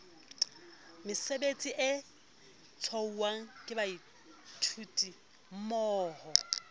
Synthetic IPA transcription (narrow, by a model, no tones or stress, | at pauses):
mɪsebet͡sʼiʔɪ | t͡sʰɔuwaŋ̩kʼɪbai | tʰutʼi | m̩mɔːhɔ